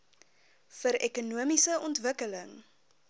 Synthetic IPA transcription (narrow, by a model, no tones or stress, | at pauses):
fəɾɛkunuəmisəɔntvəkələŋ